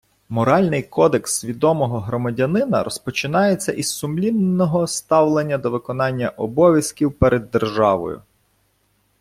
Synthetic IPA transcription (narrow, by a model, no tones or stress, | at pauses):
mɔɾɑlʲnɪjkɔd̪eksʋʲid̪ɔmɔɦɔɦɾɔmɐdʲɐnɪnɐ̰ɾɔspɔt͡ʃɪnɑjet͡sʲːɐʔissʊmlʲinːɔɦɔst̪ɑwlˠenʲːɐd̪ɔʋɪkɔnɑnʲːɐʔɔbɔʋʲjɐskʲiwpeɾʔed̪ːerʒɑʋɔ̰jʊ̰